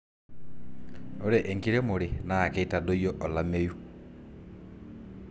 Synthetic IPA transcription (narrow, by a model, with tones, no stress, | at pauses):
no˦ɾɛ˨ʔɛ˨ŋki˦ɾɛ˦mo˨ɾe˨naː˦˨kɛita˨do˦jɔ˦ʔɔ˨la˨me˦ju˦